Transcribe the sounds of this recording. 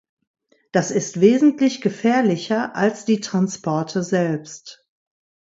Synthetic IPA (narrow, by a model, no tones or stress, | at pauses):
d̥asɪstv̥eːzn̩tlɪçɡ̥əfɛːɐlɪçɐʔalsd̥iːtʁ̥anspɔɐtʰəzɛlpst